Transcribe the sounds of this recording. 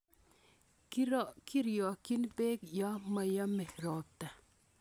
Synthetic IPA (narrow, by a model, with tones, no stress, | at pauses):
ki˦ɾjɔ˨ki˦nbe˦kjɔ˦ma˨ja˦mɛ˨ɾɔ˨p̚ta˨